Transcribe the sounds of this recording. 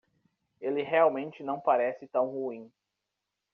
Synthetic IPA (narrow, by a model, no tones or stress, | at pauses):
elɪɦeawmẽnt͡ʃɪnɐ̃w̃paɾɛsɪt̪ɐ̃w̃huĩ